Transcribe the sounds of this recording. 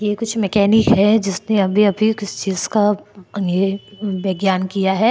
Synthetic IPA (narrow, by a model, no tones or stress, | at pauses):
jekʊt͡ʃʰmɛkɛːniɦɛd͡ʒɪsneɐbʱiɐbʱikɪst͡ʃiːzkajebɛːɡjaːnkijaɦɛː